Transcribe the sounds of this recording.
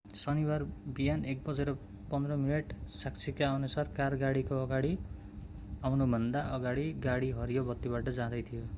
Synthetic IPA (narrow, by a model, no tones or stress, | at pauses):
sʌniwarbijanek̚bʌd͡zʌɾʌ | pʌnd̪rʌmineʈsakt͡sʰikaʌnusʌrkarɡaɽikoʌɡaɽi | awnubʱʌnd̪aʔʌɡaɽiɡaɽiɦʌɾijobʌt̪ːiβaʈʌd͡zãd̪ʌjt̪ʰijo